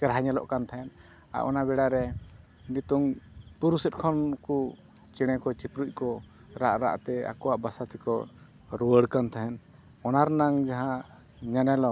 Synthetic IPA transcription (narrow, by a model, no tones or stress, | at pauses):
t͡ʃɛɾɦaɲɛlɔ̰ʔkant̪ʰaɦɛn | a̰ʔʔɔ̰nabɛɽaɾɛ | nit̪uŋpuɾusɛt̪̚kʰɔnku | t͡ʃiɽ̃ɛkɔt͡ʃipɾuc̚ˀkɔ | ɾaʔɾa̰ʔt̪ɛa̰kɔwaʔbasat̪ʰikɔ̰ | ɾuwəɽkant̪ʰaɦɛn | ɔnaɾnaŋd͡ʒaɦã | ɲanɛlɔ